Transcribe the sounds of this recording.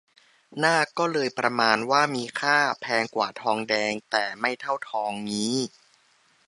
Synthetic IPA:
naː˥˩kɔː˥˩lɤː˧jpɾa˧maː˧nwaː˥˩miː˧kʰaː˥˩pʰɛː˧ŋkwaː˨˩t̪ʰɔː˧ŋdɛː˧ŋt̪ɛː˨˩ma˥˩jt̪ʰa˥˩wt̪ʰɔː˧ŋniː˦˥

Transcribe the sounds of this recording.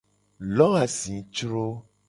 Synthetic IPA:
lɔ˦a˨sĩ˨t͡ʃɾo˦

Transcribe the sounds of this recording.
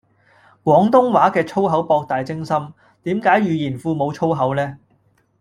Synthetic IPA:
kwɔː˨˥ŋt̪ʊ˥ŋwaː˨˥kɛː˧t͡sʰo˥wɦɐ˨˥wpɔː˧k̚t̪aː˨jt͡sɪ˥ŋsɐ˥m | t̪iː˨˥mkaː˨˥jɥyː˨˧jiː˨˩nfuː˧mo˨˧wt͡ʃʰo˥wɦɐ˨˥wlɛː˥

